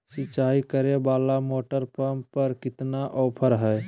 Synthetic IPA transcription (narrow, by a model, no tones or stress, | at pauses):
sɪt͡ʃaikəɾebaːlamoːʈəɾpəmpəɾkɪt̪naʔɔːpʰəɾɦɛ